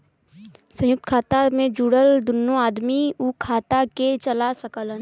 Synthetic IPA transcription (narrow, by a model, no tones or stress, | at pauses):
sə̃jʊk̚t̪kʰaːt̪amẽd͡ʒuːɽəld̪ʊnːoaːd̪miukʰaːt̪aket͡ʃəlasəkələn